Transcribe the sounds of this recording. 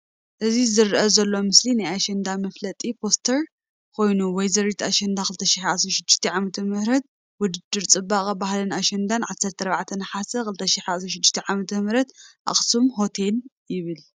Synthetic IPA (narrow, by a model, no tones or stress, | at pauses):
ʔɨzizɨɾʔɐzɐlːo̞mɨslinajaʃɐnd̪amɐflɐt̪ʼipʰo̞st̪ʰɐɾ | kʰo̞jnuwɔjzɐɾit̪ʰaʃɐnd̪axɨlt̪ʰɐʃiħasɾɐʃɨd̪ːɨʃt̪ʰɛʕamɐt̪ʰɐmɨhɾɐt̪̚ | wʊd̪ɨd̪ːɨɾt͡sʼɨbaχʼɐbahlɐnaʃɐnd̪anʕasːɐɾt̪ʰɐɾβaʕt̪ʰɐnħasɐkɨlt̪ʰɐʃɪħasɾɐʃ̬ɨd̪ːɨʃt̪ʰɐʕamɐt̪ʰɐmɨɾɐt̪ʔa̰χʼsumɦo̞t̪ʰeljɪβɨl